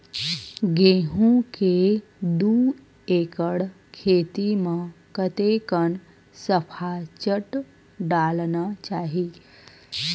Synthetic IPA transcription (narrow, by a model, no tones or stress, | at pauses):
ɡeɦũked̪u | ekəɽ | kʰeːt̪imə̃kət̪ekən | səpʰat͡ʃəʈ | ɖaːlnat͡ʃaːɦi